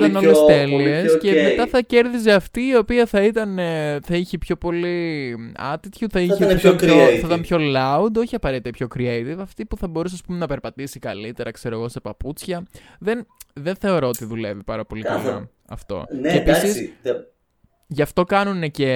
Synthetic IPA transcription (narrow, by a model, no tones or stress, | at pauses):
t̪ɐno̞lest̪eliiescemet̪ɐθɐce̞ɾðiz̬e̞ɐft̪iːo̞piɐθɐit̪ɐnθɐiçepço̞po̞liɐ̰t̪it̪çuθɐieiɐpoeθɐit̪ɐnpço̞lɐud̪o̞çiɐpɐɾet̪it̪epço̞kɾiejt̪ivɐft̪ipuθɐbo̞ɾus̬ɐspumenɐpe̞ɾpɐt̪isikɐlit̪e̞ɾɐkse̞ɾo̞ɣo̞se̞pɐput͡sçɐðenðe̞nθe̞o̞ɾoot̪iðule̞vipɐɾɐpo̞liɐ̰lɐ̰ | ɐ̰ft̪o̞̰neːpisis | ʝɐft̪o̞kɐnune̞ce̞